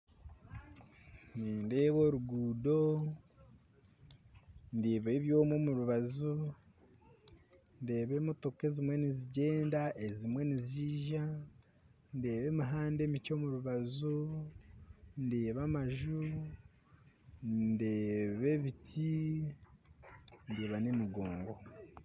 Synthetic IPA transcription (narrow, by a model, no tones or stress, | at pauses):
niːnde̞ːβo̞ɾuɡuːdo̞ | ndeːβaeβjo̞ːmo̞muɾuβazu | nde̞ːβe̞moto̞ke̞zimwe̞niziɟe̞ːndaʔe̞zimwe̞niziːʒa | nde̞ːβe̞miɦaːnde̞mico̞muɾuβazu | ndeːβamaʒu | nde̞ːβe̞βitʰi | ndeːβanemiɡo̞ːŋɡo̞